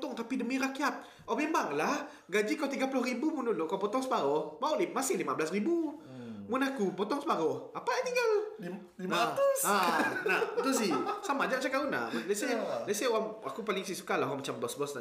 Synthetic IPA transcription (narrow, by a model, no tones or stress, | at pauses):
t̪ɔŋt̪apidəmiɾakiat̪̚ | ɔmemaŋlah | ɡad͡ʒikawt̪iɡapulʊhribumunulʊʔkawpɔt̪ɔŋsəbaɾɔhmaʊʔlimasɪhlimabəlasribumunakupɔt̪ɔŋsəbaɾʊhapat̪iɡal | limaəsanat̪usisamad͡ʒaʔt͡ʃakauna̰maleselaseoaŋakupalɪŋsisukalaɦoamat͡ʃambɔsbɔsa